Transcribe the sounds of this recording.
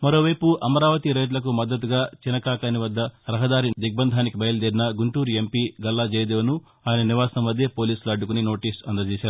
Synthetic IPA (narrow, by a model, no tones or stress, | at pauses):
mɐɾo̞ːʋɐjpuʔɐmɐɾaːʋɐt̪iɾɐjʈ̬lɐk̬umɐd̪ːɐt̪uɡaːt͡ʃinɐkaːkaːniʋɐd̪ːɐɾɐɦɐd̪aːɾid̪iɡ̚bɐnd̪ʱaːnikibɐjɐlɐd̪iːɾinɐɡuɳʈuːɾempiɡɐlːad͡ʒeːjd̪eːʋɐnu | aːjɐnɐniʋaːsɐnɐmːɐd̪ʱjeːpo̞ːliːsuluɐɖːukunino̞ːʈiːsɐnd̪ɐt͡ʃɛːsaːɾu